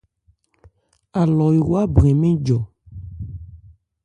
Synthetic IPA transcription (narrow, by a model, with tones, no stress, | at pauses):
a˨lɔ˨i˨wo˦a˦bɾẽ˨mẽ˦d͡ʒɔ˨